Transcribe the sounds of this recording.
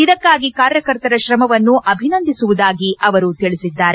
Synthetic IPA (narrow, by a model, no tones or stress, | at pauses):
id̪ɐkːaːɡikaːɾjɐkɐɾt̪ɐɾɐʃɾɐmɐʋɐnːuʔɐbʱinɐnd̪isuʋud̪aːɡiʔɐʋɐɾut̪iɭisid̪ːaːɾe